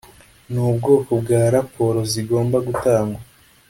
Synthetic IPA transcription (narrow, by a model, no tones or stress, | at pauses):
nuːbɡo̞ːkobɡaːɾapʰo̞ɾo̞ziɡo̞ːmbaɡutaːŋɡwa